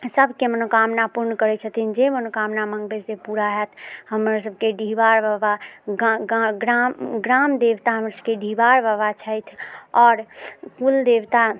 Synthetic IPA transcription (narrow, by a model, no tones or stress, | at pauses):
səbʱkemənokamnapuɾnəkəɾɛt͡ʃʰət̪ʰind͡ʒemənokamnaməŋɡbesepuɾaɦɛt̪ʰhəməɾsəb̚ʱkeɖʱiʋaɾbəbaɡɡɾamɡɾamd̪eʋt̪aɦəmɾsəb̚keɖʱibaɾbəβat͡ʃʰəjt̪ʰɔːɾkuld̪eʋt̪a